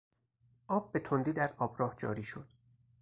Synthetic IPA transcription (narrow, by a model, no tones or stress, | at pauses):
ʔɒːb̚ːe̞t̪ʰo̞nd̪iːd̪æɾɒːbɾɒːhd͡ʒɒ̰ːɾiːʃod̪̥